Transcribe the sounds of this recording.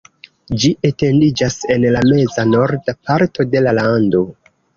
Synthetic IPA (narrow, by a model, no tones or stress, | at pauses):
d͡ʒiʔete̞ndid͡ʒase̞nlame̞zano̞ɾdapaɾto̞de̞lalando̞